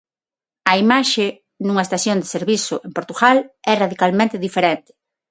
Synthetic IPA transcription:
ɐimaʃe | nuŋɐest̪asjond̪ɪseɾβisʊʔempoɾt̪uɣalɛraðikalmẽnt̪ɪðifeɾent̪ɪ̥

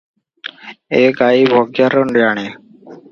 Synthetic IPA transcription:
eːkaːiːbʱoːɡjaːɾəɳɖjaːɳeː

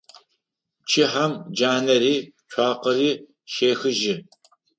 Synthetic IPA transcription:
t͡ʃʰɪħamd͡ʒaːnɐɾiːɕʷʰaːqɐɾiː | ʃeːxɨʒɪ

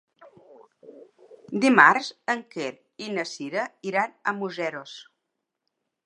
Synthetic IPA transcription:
d̪imaɾzəŋkeɾ | inəsiɾəiɾanəmuzɛɾos

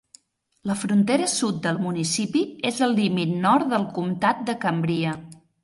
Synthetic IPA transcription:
ləfɾunt̪eɾəsut̪̚d̪əlˠmunisipiezəlˠlimit̪nɔrt̪ðəlˠkumt̪at̪̚d̪əkəmbɾiə

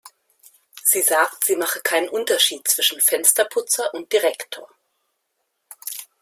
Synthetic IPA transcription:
z̥iːzaːktz̥iːmaχəkʰaɪnənʔʊntɐʃiːt̚t͡sv̥ɪʃn̩fɛnstɐpʰʊt͡sɐʔʊnt̚d̥iʁɛktʰoːɐ

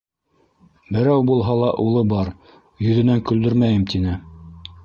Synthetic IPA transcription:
bɘ̆ɾæwbulˠɦɑlˠɑʔulˠɤbɑɾ | jɵ̆ðɘ̆næŋkɵ̆ld̪ɵɾmæjɘmt̪inɘ

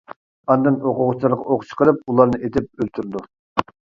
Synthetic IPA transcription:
ɑnd̪ɨŋoqʊʁʊt͡ʃʰlˠɨɾʁɑoχt͡ʃʰqʰəɾɨp̚ulˠɑɾnɨʔet̪ʰɪp̚ølt̪ʰyɾd̪u

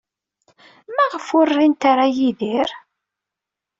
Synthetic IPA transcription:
mæʁəfʊrːint̪aɾajiðiɾ

